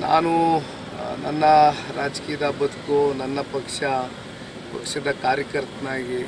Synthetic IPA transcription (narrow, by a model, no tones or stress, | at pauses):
na̰ːnu | nɐ̰nːɐɾaːd͡ʒkiːjɐd̪ɐbɐd̪ukonɐnːɐpɐkʂɐ | pɐ̰kʂɐd̪ɐkaːɾjɐkɐɾt̪ɐnaːɡi